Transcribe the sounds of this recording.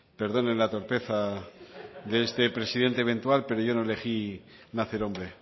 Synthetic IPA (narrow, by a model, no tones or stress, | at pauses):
pe̞ɾðo̞nenlat̪o̞ɾpe̞θa | ðeest̪e̞pɾe̞siðe̞nt̪eβe̞nt̪walpe̞ɾo̞ʝo̞no̞ele̞xi | naθeɾo̞mbɾe̞